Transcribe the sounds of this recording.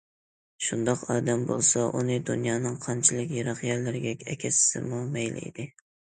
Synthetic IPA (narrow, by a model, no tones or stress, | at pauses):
ʃund̪ɑqɑːd̪ɛmbo̰lˠsɑʔunɨd̪unjɑːnɨŋqʰɑnt͡ʃʰilˠɨkʲjeɾɑqjɛɾlɪɾɪɡʲɛkʲɛkʲʰɛsɪ̥sɪ̰mumɛjlʔɪ̰d̪ɪ